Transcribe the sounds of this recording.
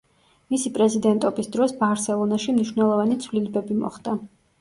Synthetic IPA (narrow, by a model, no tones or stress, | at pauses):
misipʼɾɛzid̪ɛnt̪ʼɔbisd̪ɾɔsbaɾsɛlˠɔnaʃimniʃwvnɛlˠɔvanit̪sʰvlilɛbɛbimɔ̰χd̪a